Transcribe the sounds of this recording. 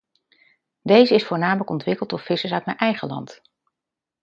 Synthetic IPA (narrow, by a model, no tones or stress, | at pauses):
dejzəɪsfʊːɹnaːmələkɔntʋɪkəlˠtɔfɪsəsœɥtmɛjnʔɛjχəlɑ̰nt